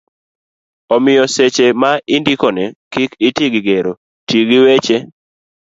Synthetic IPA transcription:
ɔmɪjɔset͡ʃemaʔindikɔnɛkikitiɡiɡeɾo | tiɡiwet͡ʃe

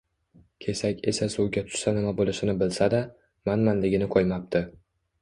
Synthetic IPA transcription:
kʲʰe̞sakʲʰe̞sasuwɡʲat̪ʰʊ̥ʃsanɪmabolˠɪʃɪnɪbɪlsad̪a | manmanlɪɡʲɪnɪkʰojmap̚t̪ʰɪ

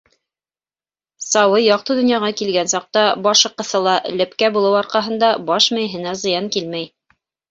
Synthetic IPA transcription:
sɑwɤjɑq̚t̪ɤd̪ɵ̆njɑʁɑkilɡænsɑq̚t̪ɑbɑʃɤ̆qːɤ̆θɤlˠɑʔlɘ̆pkæbulˠɤwɑɾqɑɦɤ̆nd̪ɑbɑʃmɘjɦɘ̆næzɤ̆jɑŋkilmæj

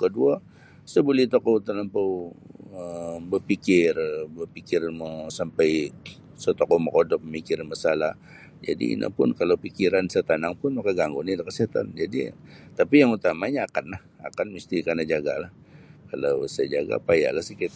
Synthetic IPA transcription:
kədua | səbəlɪht̪okowt̪ənəmpəwəmbərpikɪrbərpikɪrməsampaj | sət̪okoməkodɔp̚məmikɪrmasalah | d͡ʒa̰dḭḭnʔa̰pʊ̰nkalawpikiɾansət̪anaŋpʊnmakaɡaŋɡonidakəsiat̪a̰nd͡ʒadḭt̪apijaŋut̪amaɲaːkanlah | a̰kanmist̪ikanad͡ʒaɡa̰lah | kalawsajd͡ʒaɡa̰paja̰lahsikit̪

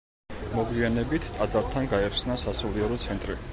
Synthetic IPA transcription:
mɔɡianɛbit̪ʰt̪ʼad̪zaɾt̪ʰanɡaɛɾt̪snasasɔliɛɾɔt̪sʰɛnt̪ʼɾi

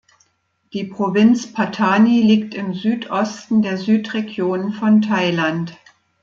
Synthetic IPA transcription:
d̥iːpʁ̥ovɪnt͡spʰatʰaːniliːktɪmzyːtʔɔstn̩deːɐzyːtʁeɡjoːnənfɔntʰaɪlant

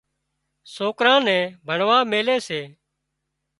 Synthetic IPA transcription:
soːkɾãːnɛ̃ːbʱəɳʋãːmeːleːseː

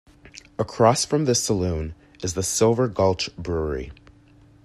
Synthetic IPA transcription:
əkʰɹ̥ɔsfɹʌ̃mðɪsəlʉ̃n | ɨzðəsɪlˠvə˞ɡʌlˠt͡ʃb̥ɹʊɹḭ

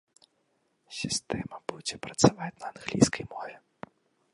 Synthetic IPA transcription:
sʲist̪ɛmɐbud͡zʲɛpɾɐt̪savat͡sʲnɐːnɣlʲḭjskɐjmɔvʲɛ

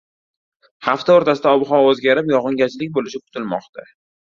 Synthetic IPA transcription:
haft̪aoɾt̪ʰasɪd̪aɒbχɒozɡʲaɾɪpjɒʁɨŋɡʲat͡ʃlɪkʲbolɪʃɪkʰʊ̥t̪ʰɪlmɒ̰qt̪ʰa

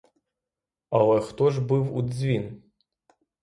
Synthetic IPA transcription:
ɐlˠɛxt̪ɔʐbɨwṵzʲvʲin

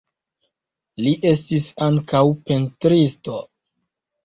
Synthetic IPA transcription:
liʔe̞stisaŋkawpentɾisto̞

